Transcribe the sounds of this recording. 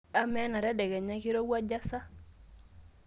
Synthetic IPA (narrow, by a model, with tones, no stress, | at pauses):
a˦mɛ˦na˨ɾa˦dɛ˨ɡɛ˨ɲa˦ki˦ɾo˦ɡwa˦d͡ʒa˦sa˦